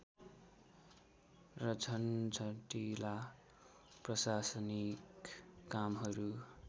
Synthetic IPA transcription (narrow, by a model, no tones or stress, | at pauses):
rʌd͡zʱʌnd͡zʰʱʌʈila | prʌsasʌnikːamɦʌɾu